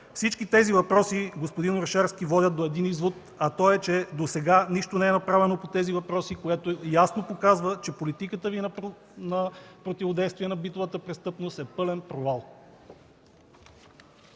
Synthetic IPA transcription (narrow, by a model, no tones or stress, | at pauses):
fsit͡ʃkit̪ɛzivɐpɾɔsiɡospod̪inoɾʃɛɾsk̟ivɔd̪ʲət̪̚d̪oɛd̪inizvot̪ | ɐt̪ɔɛt͡ʃɛd̪osɛɡaniʃt̪onɛɛnɐpɾavɛnopot̪ɛzivɐpɾɔsikojat̪ojasnopokazvət͡ʃɛpolit̪ikət̪əvi | nɐpɾot̪ivod̪ɛjst̪viɛnɐbit̪ovət̪əpɾɛst̪ɤpnost̪ɛpɤlɛnpɾovalˠ